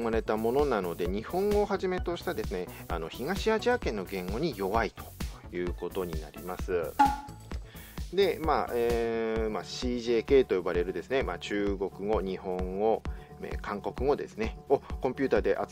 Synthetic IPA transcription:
maɾe̞t̪amo̞no̞nano̞d̪e̞ɲ̟ihõ̞ŋɡo̞ɦaʑime̞t̪o̞ɕi̥t̪ad̪e̞sɨnea̰no̞çiɡaɕiaʑiakẽ̞nːo̞ɡẽ̞ŋɡo̞ɲ̟ijo̞βait̪o̞̥jɯ̟ːko̞t̪o̞ɲ̟ina̰ɾʲḭmasɨ | d̪e̞maːemaɕiːʑeːke̞ːt̪o̞jo̞baɾe̞ɾɯ̟d̪e̞sɨne̞mat͡ɕɨːɡo̞kɯ̟ɡo̞ɲ̟ihõ̞ŋɡo̞ | ḛkãŋko̞kɯ̟ɡo̞d̪e̞̰sɨne̞okõ̞mpʲɨ̟ːt̪aːd̪e̞ʔa

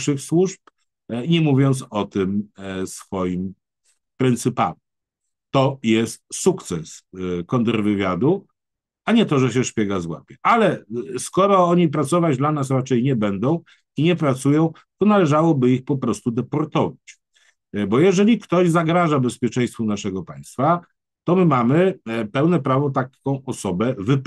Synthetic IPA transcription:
ʂɘxswuʂp | ɲɛmuvʲjɔnt̪sɔt̪ɘmsfɔjim | pɾɛnt̪sɘpa̰mʲ | t̪ɔjɛst̪̚sukt̪sɛskɔnd̪ɛɾvɘvʲjad̪u | aɲɛt̪ɔʐɛɕ̬ɛʂpʲjɛɡazwa̰pʲɛʔalɛskɔɾɔɔɲipɾat̪sɔvad͡ʑd̪lanas̬ɾat͡ʂɛjɲɛbɛnd̪ɔ̃w̃ | iɲɛpɾat̪sujɔ̃w̃ | t̪ɔnalɛʐawɔbɘixpɔpɾɔst̪ud̪ɛpɔɾt̪ɔvat͡ɕ | bɔjɛʐɛlʲikt̪ɔʑzaɡɾaʐabɛspʲjɛt͡ʂɛj̃st̪fɔnaʂɛɡɔpaj̃st̪fa | t̪ɔmɘmamɘpɛwnɛpɾavɔt̪akɔ̃w̃ʔɔsɔbɛvɘp

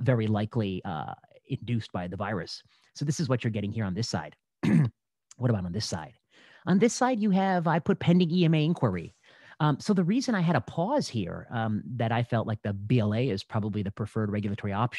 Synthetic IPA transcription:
vɛɹilaɪkʰliʌ̰ | ɪ̃ndʉs̚b̥aɪðəvaɪɹɨ̰sː | oʊðɪsɨzwʌt͡ʃə˞ɡɛɾɪ̃ŋhiɹə̃nðɪsa̰ɪd̥ | wʌɾəbaʊɾn̩ðɪsa̰ɪd̥ | ʔə̃nðɪsaɪdjɨɨvaɪpʰʊt̚pʰɛ̃ndɪ̃ŋiɛ̃meɪɪ̃nkʰwə˞ḭ | soʊðɨɹizɨ̃ñaɪɨɾəpʰɔz̥hḭɹʌðɨɾaɪfɛlˠʔˡlaɪk̚ðɨbiɛlˠeɪɪz̥pʰɹ̥ɑbəbliðɨpʰɹ̥ɨfɜ˞d̚ɹɛɡjl̩ˠətʰɔɹiɑpʃ

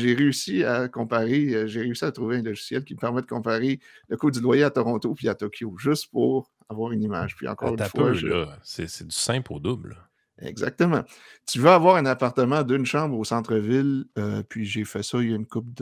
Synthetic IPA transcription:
ʒeʁeysiakɔ̃paʁeʒeʁeysiat̪ʁuveɛ̃lɔʒi̥sjɛlkʲiməpɛʁmɛd̪əkɔ̃paʁeləkʊp̚d̪ylwajeat̪ɔʁɔ̃t̪opiat̪ɔkʲʰjoʒʏst̪puʁ | avwɑːʁynima̰ːʒ̥pɥḭɑ̰̃kɔ̰ːʁyfwa̰sɛsɛd̪y̥sɛ̃poːd̪ʊbl | ɛ̰ɡza̰k̚t̪əmɑ̰̃t̪yvøavwaːʁɛ̃napaʁt̪əmɑ̃d̪ɨnʃɑ̃ːbʁosɑ̃t̪χəvɪløpʰɥiʒefɛsɔynkʊp̚d̪

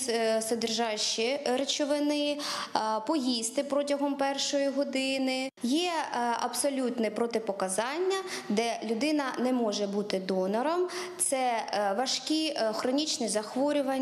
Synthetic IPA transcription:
sɐd̪ɪrʒɑʃiɾet͡ʃɔʋɪnɪ | pɔjist̪ɪpɾɔtʲɐɦɔmpɛrʃɔjiɦɔd̪ɪnɪjɛɐ̰bsɔlʲut̪nɛpɾɔt̪ɪpɔkɐzɑnʲːɐd̪ɛlʲʊd̪ɪnɐnɛmɔʒɛbut̪ɪd̪ɔnɔɾɔmt̪sɛʋɐʃkʲixɾɔnʲit͡ʃnɪzɐxʋɔɾʲʊʋɐ

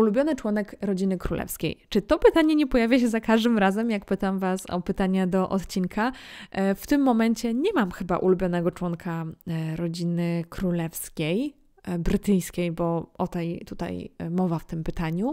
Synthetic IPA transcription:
ulubʲjɔnɘt͡ʂwɔnɛkɾɔd͡ʑinɘkɾulʔɛ̰fskʲḛjt͡ʂɘt̪ɔpɘt̪aɲɛɲɛpɔjavʲjaɕ̬ɛzakaʐd̪ɘmɾazɛmjak̚pɘt̪amvasɔ̰pɘt̪aɲad̪ɔʔɔ̰t̪t͡ɕiŋkʰa | ft̪ɘmːɔmɛɲt͡ɕɛɲɛmamxɘba̰ʔulubʲjɔnɛɡɔt͡ʂwɔŋkʰaɾɔd͡ʑinɘkɾulɛfskʲej | bɾɘt̪ɘjskʲejbɔʔɔt̪ɛjt̪ut̪a̰jmɔvaft̪ɘmpɘt̪aɲu

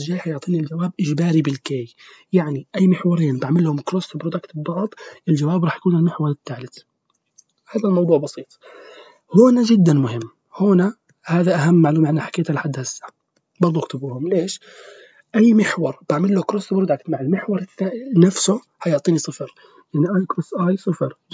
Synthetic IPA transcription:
ʒaːħajʊʕt̪ˤiːnild͡ʒawaːbʔɪʒbaːɾibɪlkeːj | jaʕniʔajːmɪħwɑɾˤiːnbaʕmɪlːhʊmkɾoːst̪bɾod̪akt̪bbɑʕd̪ˤʔɪld͡ʒawaːbɾˤɑːħjḁkuːnɪlmɪħwɑɾˤɪt̪ːaːlɪt̪ | haːðalmɑwd̪ˤuːʕbɑsiːt̪ˤ | hoːnaʒɪd̪ːanmʊhɪmː | hoːna | haːðaʔaɦamːaʕluːmaʕanːaħḁkeːt̪alħad̪ːasa | bɑɾˤd̪ˤuʔɪxt̪ɪbuːhʊmleːʃ | ʔajːmɪħwɑɾˤb̥aʕmɪlːokɾoːsbɾʊd̪akt̪maʕɪlmɪħwɑɾˤanafsʊ | hajʊʕt̪ˤiːnisˤɨfɾ | jaʕniʔajkɾosʔaːjsˤɨfɑɾ

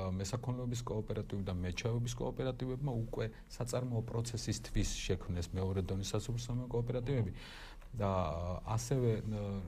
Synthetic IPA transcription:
mɛsakʰɔmnlɛɔbiskʼɔːpʼɛɾat̪ʼivid̪amɛt͡ʃʰɛvɛbiskʼɔ̰ːpʼɛɾat̪ʼivɛbmaukʼwɛ | sat̪sʼaɾmɔːpʼɾɔt̪sʰɛsist̪ʰvisʃɛkʰmnɛsmɛɔɾɛd̪ɔnisasupɾsamɛkʼɔːpʼɛɾat̪ʼivɛbi | d̪aasɛvɛ

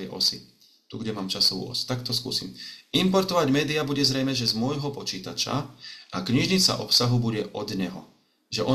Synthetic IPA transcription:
ɛʔɔ̰si | t̪uɡɟɛmaːmt͡ʃasɔʋṵːɔ̰su̥t̪akt̪ɔskṵːsḭmimpɔɾt̪ɔʋaɟmɛːd̪iabuɟɛzɾɛjmɛʒɛzmʊɔjɦɔpɔt͡ʃiːt̪a̰t͡ʃa̰ʔakɲiʒɲit͡sa̰ʔɔpsaɦubuɟɛʔɔd̪ɲɛɦɔ | ʒɛʔɔ

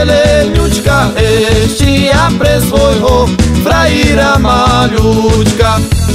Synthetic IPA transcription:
leɲut͡ʃkaeʃt͡ʃiapɾesoɦopɾaiɾamaʎut͡ʃka

